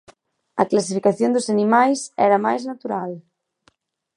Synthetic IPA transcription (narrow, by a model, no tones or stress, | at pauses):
ɐklas̬ifikaθjond̪ʊsanimajsɛ̰ɾɐmajznat̪uɾal